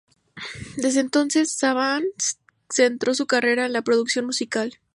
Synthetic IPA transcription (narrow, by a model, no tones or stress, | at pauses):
d̪e̞zðe̞ːnt̪o̞nse̞sːaβan | se̞nt̪ɾo̞sukare̞ɾaenlapɾo̞ðuksjo̞nmusikal